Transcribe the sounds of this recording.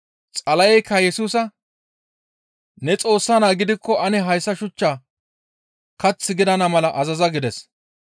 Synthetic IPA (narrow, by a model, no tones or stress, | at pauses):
t͡sʼɐlɐjɛjkːɐjɛsuːsɐ | nɛt͡sʼo̞ːsːanaːɡɪd̪ɪkːɔʔɐnɛɦɐjsːɐʃʊt͡ʃːaː | kɐt͡sːɪɡɪd̪ɐnɐmɐlɐʔɐzɐzɐɡɪd̪ɛs